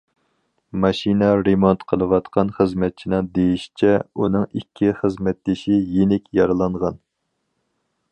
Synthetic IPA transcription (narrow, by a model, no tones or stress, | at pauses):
mɑʃinɛɾemont̪qʰəlˠɨwɑt̪qʰɑnχəzmɛt̪̚t͡ʃʰinɨŋd̪ejiʃi̥t͡ʃʰɛunɨŋikʲʰːiχəzmɛt̪̚d̪eʃijenɪkʲjɑɾɨlˠɑɴʁɑn